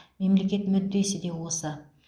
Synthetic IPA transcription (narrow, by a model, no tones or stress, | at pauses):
me̞mle̞kʲe̞t̪mɵd̪ːe̞sɪd̪e̞wosə